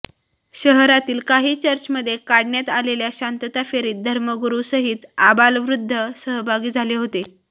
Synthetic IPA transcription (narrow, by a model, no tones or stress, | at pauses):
ɕəɦɾat̪iːlkaɦiːt͡ɕəɾt͡ɕməd̪ʱːjekaɽɳjat̪aleljaɕant̪ət̪afeɾiːd̪ʱəɾməɡuɾusəɦit̪abalʋɾud̪ʱːəsəɦbʱaɡiːd͡zʱaleɦot̪e